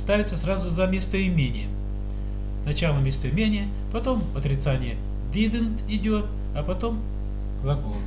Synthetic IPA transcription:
st̪avʲɪt̪səsɾazʊzɐmʲest̪əɪmʲenʲɪjə | nɐt͡ɕalˠəmʲest̪əjɪmʲenʲɪjə | pɐt̪o̞mɐt̪ɾʲɪt̪sanʲɪjə | d̪ʲid̪ənt̪ɪdʲot̪ | ɐpɐt̪o̞m | ɡ̥lˠɐɡo

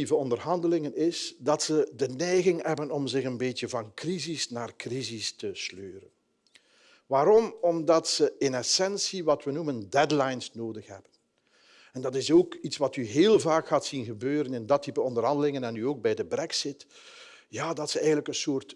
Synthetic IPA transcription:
ivəɔndərɦɑndəlɪŋənɪsdɑtsədənɛjɣɪŋɦɛbənɔmzɪɣənbeːtjəvɑnkrizisnaːrkrizistəsløːrən | ʋaːɾɔmɔmdɑtsəɪnɛsɛnsiʋɑtʋənuməndɛdlajnsnoːdəxɦɛ̰bən | ɛndɑtɪsoːkitsʋɑtyɦeːlˠvaːkxaːtsinɣəbøːɾənɪndɑtːipəɔndərɦɑndəlɪŋənɛnyoːɡ̚bɛjdəbrɛksɪt | jaːdɑtsəɛjɣənləkənsoːrt

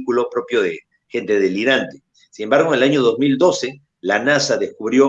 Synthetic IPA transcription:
kulo̞pɾo̞pjo̞ðe | xe̞nt̪e̞ðeliɾant̪e | sine̞mbaɾɣ̞onelaɲo̞ðo̞zmild̪o̞se̞ | lanasaðeskuβɾjo̞

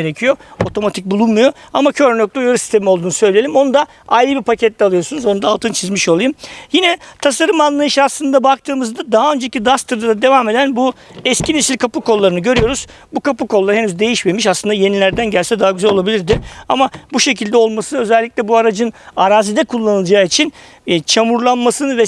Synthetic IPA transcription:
eɾecʰijo̞ot̪ʰo̞mat̪ʰic̚bulˠunmujo̞amacʰø̞ɾnøc̚lʲijaɾusi̥st̪ʰe̞miolˠd̪uːnusø̞jlʲelʲimo̞nud̪a | ajɾɯbipʰacʰɛt̪lʲɛalˠɯjo̞sunuzo̞nud̪aːlˠt̪ʰɯnt͡ʃʰizmiʃo̞lˠajɯmjinɛt̪ʰasaɾɯmanlˠajɯʃɯaslˠɯnd̪abak̚t̪ʰɯːmɯzd̪ad̪aɦaø̞nd͡ʒeicid̪ast̪ʰɯɾd̪ad̪ad̪e̞vame̞d̪ænbuɛscʰine̞silʲkʰapukʰo̞lˠːaɾɯnɯɟø̞ɾyjo̞ɾuz̥ | bukʰapukolˠːaɾenyzd̪e̞jiʃmemiʃaslˠɯnd̪aje̞nilʲæɾd̪ænɟælʲsɛd̪aɦaɟyzælʲo̞lˠabilʲiɾd̪ɪa̰mabuʃe̞cʰilʲd̪ɛo̞lˠmasɯnø̞zɛlʲːicʲlʲɛbuaɾad͡ʒɯnaɾaːzid̪ɛkʰulˠːanɯlˠd͡ʒaːit͡ʃʰin | t͡ʃʰamuɾlˠanmasɯnɯvɛ

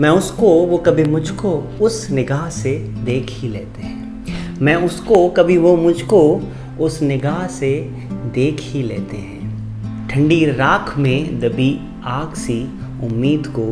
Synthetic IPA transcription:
mɛ̃ːʊskoʋokɐbʱimʊd͡ʒʱko | ʊsnɪɡaːɦsed̪eːkʰileːt̪eɦɛ̃ː | mɛ̃ːʊskokɐbʱiʋomʊd͡ʒʱko | ʊsnɪɡaːɦse | d̪eːkʰileːt̪eɦɛ̃ː | ʈʰə̃ɳɖiɾaːkʰmẽd̪ɐbi | aːɡsiʊmːiːd̪koː

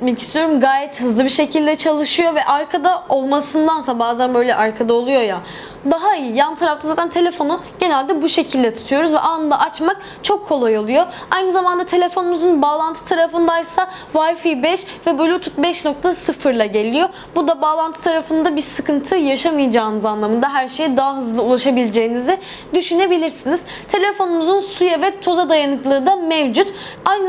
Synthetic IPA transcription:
t̪mɛcist̪ʰijo̞ɾumɡaːjɛt̪hɯzlˠɯbiɾʃecʰilʲd̪ɛt͡ʃʰalˠɯʃɯjo̞vɛʔaɾkʰad̪ao̞lˠmasɯnd̪ansabaːzænbø̞jlʲɛʔaɾkʰad̪aolˠujo̞ja | d̪aɦaijijanɯt̪ʰaɾaft̪ʰazaːt̪ʰænt̪ʰe̞lʲe̞fo̞nuɟe̞nælʲd̪ɛbuʃe̞cʰilʲd̪ɛt̪ʰu̥t̪ʰujo̞ɾuzvɛʔaːnɯd̪a̰ʔat͡ʃmak̚ | t͡ʃʰo̞kʰːo̞lˠajolˠujo̞ | ajnɯzamand̪at̪ʰe̞lʲe̞fonumuzunbaːlˠant̪ʰɯ̥t̪ʰaɾafɯnd̪ajsa | vajfibɛʃvɛbolʲut̪ʰut̪̚bɛʃno̞k̚t̪ʰasɯfɯɾlˠaɟe̞lʲijo̞ | bud̪abaːlˠant̪ʰɯ̥t̪ʰaɾafɯnd̪abiɾsɯkʰɯnt̪ʰɯjaʃamɯjad͡ʒaːnɯzanlˠamɯnd̪aɦæɾʃe̞jid̪aɦaɦɯzlˠɯulˠaʃabilʲed͡ʒe̞jinizi | d̪yʃyne̞bilʲiɾsiniz̥ | t̪ʰe̞lʲefo̞numuzunsujavɛt̪ʰo̞zad̪ajanɯklˠɯːd̪amevd͡ʒut̪ajn

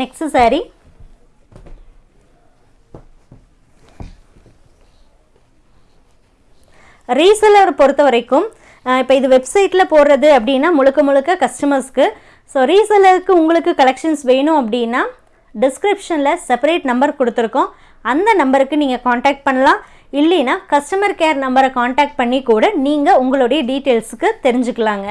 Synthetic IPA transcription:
nɛkssaːɾi | ɾiːsɐlɐɾpɔɾɯt̪ːɐʋɐɾɐɪkːɯm | ɪpːoːɪðɯʋɛbsɐɪʈːɪlɐpoːɾɾɐðɯɐpːɐɽɪjnːaːmʊɻɯkːɐmʊɭɯkːɐkɐsʈɐmɐɾskːɯ | soːɾiːsɐlɐɾɯkːɯʊŋɡɐɭɯkːɯkɐlɛkʂɐnsʋeːɳʊ̃ɐp̬ːɐɽɪjnːaː | ɖɪskɾɪpʂɐnlɐsɛpɐɾeːʈnɐmbɐɾkɔɽɯt̪ːɪɾɯkːʊ̃ | ɐnd̪ɐnɐmbɐɾɯkːɯniːŋɡɐkaːɳʈaːk̚ʈ̚pɐɳːɐlãː | ɪlːɐnaːkɐsʈɐmɐɾkeːɾnɐmbɐɾɐkaːɳʈaːk̚ʈ̚pɐɳːikːuːɽɐniːŋɡɐʊŋɡɐɭɔɽɐjɐɖiːʈeːlsɯkːɯt̪ɛɾɪɲd͡ʒɯkːɐɭaːŋɡɐ

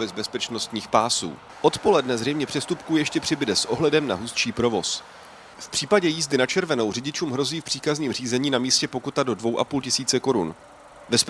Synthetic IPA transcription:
bɛzbɛspɛt͡ʃno̞st̪ɲiːxpaːsṵː | ʔo̞t̪po̞lɛdnɛzrɛjmɲɛpr̝̥ɛst̪upkuːjɛʃcɛpr̥ɪbɪdɛsʔo̞ɦlɛdɛmna̰ɦust͡ʃiːpɾo̞vo̞s | fpr̝̥iːpaɟɛjiːzdɪnat͡ʃɛɾvɛno̞wrɪɟɪt͡ʃuːmɦɾo̞ziːfpr̥iːkazɲiːmriːzɛɲiːnamiːscɛpo̞kut̪ado̞dvo̞wʔa̰puːlcɪsiːt͡sɛko̞ɾṵn | vɛs

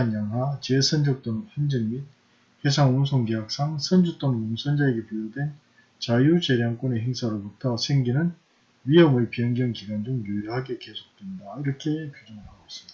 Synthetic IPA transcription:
anjaŋɦwat͡ɕe̞sʰʌnd͡ʑʌk̚t͈onhʌnd͡ʑɯŋmit̚ | hesʰaŋunsʰoŋɡejak̚s͈aŋsʰʌnd͡ʑuk̚t͈onmonsʰʌnd͡ʑaeɡepijodwe̞n | t͡ɕajut͡ɕeɾjaŋk͈one̞ɦeŋsʰaɾoɭputʰʌsʰeŋɡinɯn | ɥijʌmɯɭpijʌŋɡjʌŋkiɡand͡ʑoŋjujiɦaɡe̞ke̞sʰo̥k̚t͈we̞ndaiɾʌkʰe̞pjud͡ʑʌŋɯɭhaɡos͈ɯ̥mid̥a

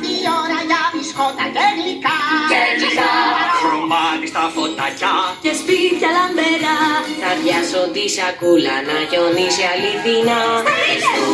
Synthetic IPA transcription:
ioɾɐʝɐviskot̪ɐɡeɾlikɐeisɐ | mɐnist̪ɐfot̪ːɐcɐcespit̪cɐlɐmbeɾɐt̪ɐðjɐsot̪isɐkulɐ̰nɐʝoðisiɐliðinɐ

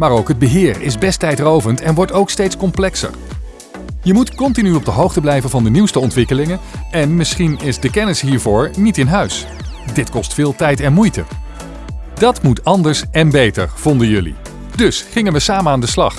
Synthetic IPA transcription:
maːɾowkɦəd̚bəɦɪːrɪ̰zbɛstɛjtrowvəntɛnʋɔɹtowkstejtskɔmplɛksə̰ɹ | jəmutkɔntinyɔb̚dəɦowχtəblɛjvənvɑndəniwstəɔntʋɪkəlɪŋənʔɛnmɪsχinɪzdəkɛnɪsɦiːɹvʊːɹnitɪnɦœɥs | dɪtkɔstfɪːlˠtɛjtɛnmujtə̰ | dɑtmutɑndəɹsɛnbejtə̰ɹv̥ɔndənjɵlḭ | d̥ɵsχɪŋənʋəsaːmənaːndəslɑχ

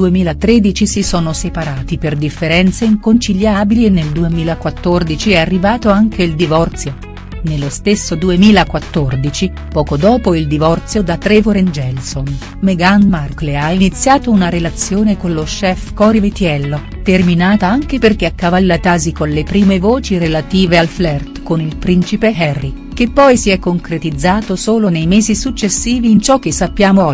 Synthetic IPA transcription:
uemiːlat̪ɾeːd̪it͡ʃisisoːnosepaɾaːt̪iperd̪ifːeɾɛnt̪seiŋkont͡ʃiʎːjaːbilienːeld̪uemiːlakwat̪ːord̪it͡ʃiɛarːivaːt̪oaŋk̟eild̪ivɔrt̪sjo | nelːost̪esːod̪uemiːlakwat̪ːord̪it͡ʃi | pɔːkod̪ɔːpoild̪ivɔrt̪sjod̪at̪ɾevoɾɛnd͡ʒɛlson | meɡanmarkleainit̪sːjaːt̪ounaɾelat̪sːjoːnekoloʃɛfkɔɾivet̪jɛlːo | t̪erminaːt̪aaŋk̟eperk̟eakːavalːat̪aːzikonlepɾiːmevoːt͡ʃiɾelat̪iːvealflɛrt̪konilpɾint͡ʃipeɦɛrːi | k̟epːɔjsiɛkːoŋkɾet̪id̪zːaːt̪osoːlonejmeːzisut͡ʃːesːiːviːnt͡ʃɔk̟ːesːapːjaːmo

